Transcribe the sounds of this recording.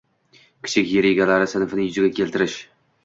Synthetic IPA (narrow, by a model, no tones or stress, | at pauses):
kʲʰɪ̥t͡ʃʰɪkʲjeɾeɡʲalaɾɪsɪnfɪnɪjʊzɪɡʲakʲʰe̞lt̪ɪɾɪʃ